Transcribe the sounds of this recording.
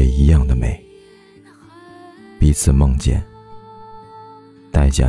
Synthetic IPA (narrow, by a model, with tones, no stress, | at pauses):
ɛ˨˩i˧˥jɑ˥˩ŋd̪ə˩me˨˩˦ɪ | pi˧˥t͡sʰɹ̩˨˩mɤ˥˧ŋt͡ɕjɛ̰˥˩n | t̪a˥˧˩ɪt͡ɕja̰˥˩